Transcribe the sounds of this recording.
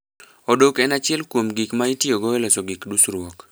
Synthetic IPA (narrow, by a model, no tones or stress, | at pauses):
odokɛnat͡ʃɪɛlkwomɡikmaitjoɡoelɛsoɡikdusɾwɔk